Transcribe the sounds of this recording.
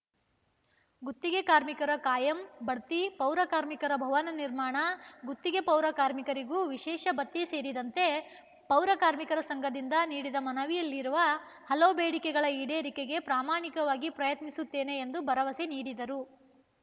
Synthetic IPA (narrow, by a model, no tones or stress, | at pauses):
ɡut̪ːiɡekaːɾmikɐɾɐkaːjɐmbɐɽt̪ipɐwɾɐkaːɾmikɐɾɐbʱɐʋɐnɐniɾmaːɳɐɡut̪ːiɡe̞pɐwɾɐkaːɾmikɐɾiɡuːʋiʃɛːʃɐbɐt̪ːise̞ːɾid̪ɐnt̪e̞ | pɐwɾɐkaːɾmikɐɾɐsɐŋɡɐd̪ind̪ɐniːɽid̪ɐmɐnɐʋijɐlːiɾuʋɐ | hɐlɐʋubeːɽikɛɡɐɭɐiːɽeːɾikeɡe̞pɾaːmaːɳikɐʋaːɡipɾɐjɐt̪nisut̪ːe̞ːne̞ːnd̪ubʱɐɾɐʋɐseniːɽid̪ɐɾu